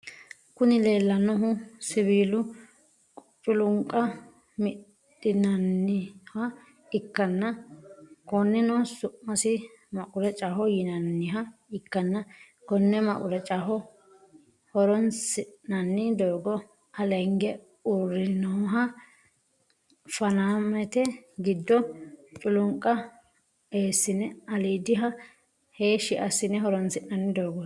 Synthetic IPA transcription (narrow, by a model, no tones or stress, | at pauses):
kʊnɪle̞ːlːɐnɔɦʊsɪβiːlʊ | kʼʊt͡ʃʼːʊlʊŋkʼːɐ | mɪ | ɪnɐnːɪhɐ | ɪkːɐnːɐ | kɔnːɪnɔsʊʔmɐsɪ | mɐkʼʊɾɛt͡ʃʼaɦɔjɪnɐnːɪɦɐɪkːɐnːɐ | kɔnːɛmɐ̰ʔʼʊɾɛt͡ʃʼɐɦɔ | hɔɾɔnsɪʔnɐnːɪd̪oːɡɔ | ɐlɛŋɡɛ | ʊɾɪnoːɦɐ | fɐnaːmɛt̪ɛɡɪd̪ːɔt͡ʃʼʊlʊŋkʼːɐ | eːsːɪnɛɐliːd̪ɪɦɐ | heːʃɪʔɐsɪnɛɦɔɾɔnsɪʔnɐnːɪd̪oːɡɔ